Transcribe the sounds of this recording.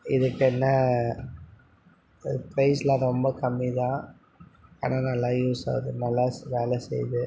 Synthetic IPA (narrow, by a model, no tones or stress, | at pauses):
ɪðɯkːɛnːɐ | pɾɐɪslãɾɔmbɐkɐmːiðãː | a̰ːnãːnɐlːãːjuːsa̰ːðɯnɐlːaːʋeːlɐsɛ̰jðɯ